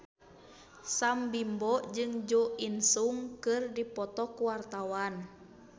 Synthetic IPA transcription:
sambimbɔd͡ʒɨŋd͡ʒɔinsuŋkɨrdipɔt̪ɔkuwart̪awan

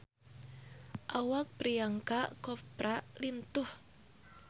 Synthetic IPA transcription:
ʔawak̚pɾijaŋkaʔkɔpɾaʔlint̪ʊh

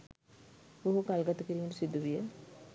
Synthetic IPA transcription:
boɦukalɡat̪əkəɾiːməʈusid̪ʱːuʋijə

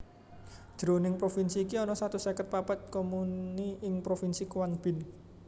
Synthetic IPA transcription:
dd͡ʒ̥ɾonɪŋpɾofinsiːkiɔnɔsat̪usekət̪̚papat̪̚komunniɪŋpɾofinsikuwanb̥ɪ̤n

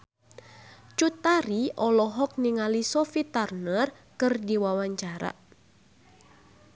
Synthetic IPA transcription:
t͡ʃut̪aɾiɔlɔɦɔk̚niŋalisɔfit̪arnər | kɨrdiwawaɲt͡ʃaɾa̰

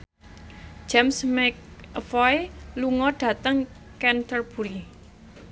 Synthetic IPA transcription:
d͡ʒ̥ɛmsmɛk̚fɔjluŋɔɖ̥ä̤t̪əŋkɛnt̪ərb̥ṳɾi

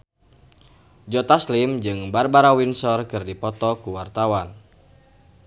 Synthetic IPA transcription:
d͡ʒɔt̪aslimd͡ʒɨŋbarbaɾawinsɔrkɨrdipɔt̪ɔkuwart̪awan

